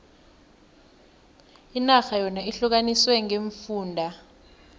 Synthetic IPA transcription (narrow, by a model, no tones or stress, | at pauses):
inaxajɔnaiɬuk̬aniswɛŋeɱfuːndʱa